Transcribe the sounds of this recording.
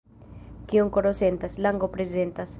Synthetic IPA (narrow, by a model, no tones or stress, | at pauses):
kioŋkoɾosent̪aslaŋɡopɾezent̪as